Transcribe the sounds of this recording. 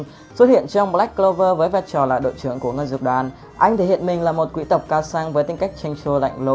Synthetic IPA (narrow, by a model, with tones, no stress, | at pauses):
swə˦˥t̚hḭ˧˨ənt͡ɕɔ˧wŋ͡mbla˦˥k̚kːlo˧vəː˧vəː˨˦jvaː˧jt͡ɕɔ˨˩la̰ː˨jɗo̰˧˨jt͡ɕɨ˨˧˩əŋku˧˩əŋəː˧jzɨ˨˩k̚ɗwaː˨˩˦n | ʔa˧jŋ̟t̪ʰe˧˩hḭ˧˨ənmï˨˩ŋ̟laː˨˩mo˨˩t̚kwi˧˥t̪ə˨˩wk͡p̚kaː˧wsaː˧ŋvəː˨˦jt̪ï˧ŋ̟ka˦˥jk̚t͡ɕa˧jŋ̟t͡ɕo˧la̰˧˨jŋ̟lo˧